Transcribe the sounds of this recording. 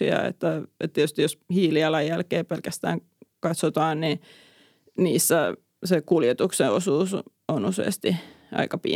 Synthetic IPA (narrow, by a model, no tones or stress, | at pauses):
ḭɑ̰ḛt̪ːæḛt̪t̪ːittyst̪ijoshiːliɑlɑjjælkeːpelkæst̪æ̰ːŋ | kɑt̪sot̪ɑːnni | niːsːæ | sekuljet̪ukseosuːs | onusḛˑːst̪i | ʔɑ̰ikɑpḭ